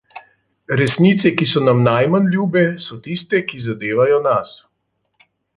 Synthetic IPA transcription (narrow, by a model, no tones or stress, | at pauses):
ɾɛsnit̪sɛkisɔnamnajmanlʲjuːbɛsɔt̪ist̪ɛkizad̪eːʋajɔnas